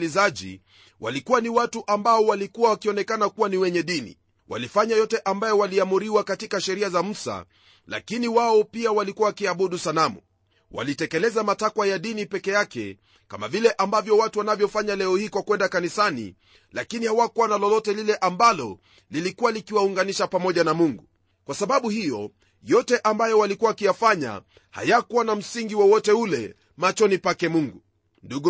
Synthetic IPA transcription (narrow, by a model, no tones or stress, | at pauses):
lizaʄḭ | wʔa̰likuwaniwatuʔambaɔwalikuwawakiɔnɛkanakuwaniwɛɲɛɗinḭ | wa̰lifaɲajɔtɛʔambajɔwaliamuɾiwakatikaʃɛɾiazam̩sa̰ | la̰kiniwaɔpiawalikuwawakiaɓuɗusanamṵ | wa̰litɛkɛlɛzamatakwajaɗinipɛkɛjakɛ̰ | ka̰ma̰vilɛʔambavjɔwatuwanavjɔfaɲalɛɔhikwakwɛndakanisanḭ | la̰kinihawakuwanalɔlɔtɛlilɛʔambalɔ | lilikuwalikiwauŋɡaniʃapamɔʄanamuŋɡu | kwasaɓaɓuhijɔ | jɔtɛʔambajɔwalikuaakijafaɲa̰ | ha̰jakuanam̩siŋɡiwɔwɔtɛulɛ | mat͡ʃɔnipakɛmuŋɡu | nduɡu